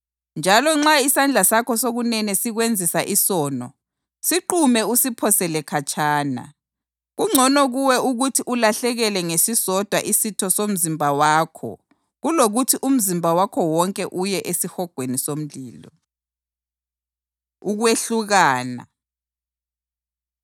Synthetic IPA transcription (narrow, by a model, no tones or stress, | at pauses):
nd͡ʒʱalɔŋ͡ǁaisand͡ɮʱasakʰɔsoɣunɛnɛsiɣwend͡zʱisaʔisɔːnɔ̰ | siǃumɛusipʰɔsɛlɛkʰat͡ʃʼʰaːna̰ | ɣuŋ͡ǀʱɔnɔɣuwɛuɣutʰiʔulaɬɛɣɛlɛŋesisɔd̥ʱwaʔisitʰɔsom̩zimbʱawaːkʰɔ̰ | ɣuloɣutʰiʔum̩zimbʱawakʰɔwɔŋkʼɛʔujɛʔesixɔɡ̥ʱwenisom̩lḭːlɔ | uɣweɬuɣaːna̰